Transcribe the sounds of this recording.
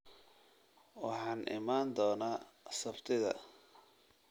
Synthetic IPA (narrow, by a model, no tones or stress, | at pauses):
wɑħɑːnʔɪ̰maːnd̪ɔːnaːsɐbt̪ʰɪðɐ̰